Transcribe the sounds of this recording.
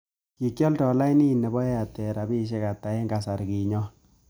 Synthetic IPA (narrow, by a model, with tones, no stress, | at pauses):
ki˨kjɔ˦ltɔ˨la˦i˦ni˦˨nɛ˨bɔ˦ɛ˦a˨tɛ˨ɾa˨bi˦ʃɛ˦ka˨ta˨e˦ŋɡa˨sa˨ɾki˨ɲɔ˦